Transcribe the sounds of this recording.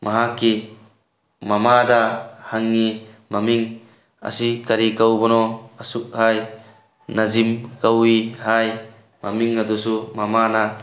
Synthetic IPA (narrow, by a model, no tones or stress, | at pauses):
mʔɐɦakːi | mɐmad̪ahaŋːimamiŋ | ɐ̰sikɐɾikawbɔnɔɐsuk̚haj | nɐzimkawihaj | mɐmiŋːɐd̪usumamana